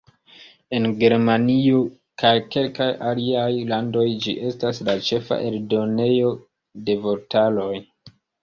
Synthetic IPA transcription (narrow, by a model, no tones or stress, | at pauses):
e̞nɡe̞ɾmanio | kajke̞lkajaliajlando̞jd͡ʒḭʔe̞staslat͡ʃe̞fa̰ʔe̞ldo̞ne̞jo̞ | de̞voɾtalo̞j